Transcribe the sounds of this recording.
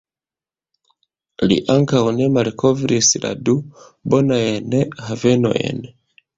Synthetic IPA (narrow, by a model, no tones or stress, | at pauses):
lḭʔaŋkawnemaɾikʰovɾisila̰dubonaenehaveno̰ʔḛne